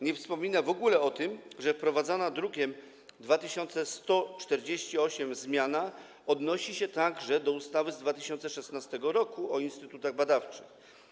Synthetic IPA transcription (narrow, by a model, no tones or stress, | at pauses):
ɲɛfspɔmʲinavɔɡulɛɔt̪ɘmʐɛfpɾɔvad̪zanad̪ɾukʲɛm | d̪vat̪ɘɕɔnt̪sɛst̪ɔt͡ʂt̪ɛɾd͡ʑeɕt͡ɕiɔɕɛmzmʲjana | ɔd̪nɔɕiɕɛt̪aɡʐɛd̪ɔust̪avɘzd̪vat̪ɘɕɔnt̪sɛʂɛsnast̪ɛɡɔɾɔkuɔinst̪ɘt̪ut̪aɣbad̪aft͡ʂɘ̰x